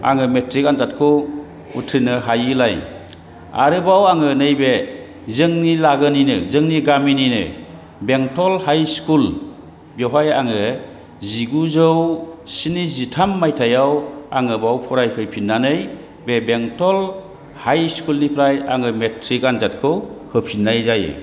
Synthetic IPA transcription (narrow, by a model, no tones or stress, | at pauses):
a̰ŋɯmetɾikanzat̚kʰɔ | utʰɯnɯɦajɯlaj | a̰ɾɯbawaŋɯnɯjbe | zɯŋnilaɡɯninɯzɯŋniɡamininɯ̰ | beŋtʰɔlhajskʰul | bjɔɦajaŋɯ | ziɡuzɯwsinizitʰamːajtʰajawaŋɯbawpʰɔɾajpʰɯjpʰinːanɯj | bebeŋtʰɔl | hajskulnipʰɾajaŋɯmetʰɾikanzat̚kʰɯwhɯpʰinːajzaj̰